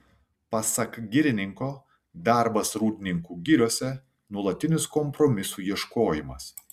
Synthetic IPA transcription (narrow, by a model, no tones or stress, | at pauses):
pɐsɐkɡʲɪɾʲɪnʲɪŋkoː | d̪ɑˑɾbɐsɾuːd̪ʲɪnʲɪŋkuːɡʲɪɾʲoɔːsʲɛ | nuɔlˠɐt̪ʲɪnʲɪskɔmpɾɔmʲɪsuːjiɛʃkoːjɪmɐs